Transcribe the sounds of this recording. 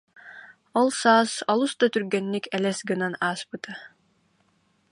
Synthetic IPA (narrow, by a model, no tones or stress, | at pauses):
ɔlˠsaːsɔlˠust̪at̪yɾɡɛnːikɛlɛsɡɯnanaːspɯt̪a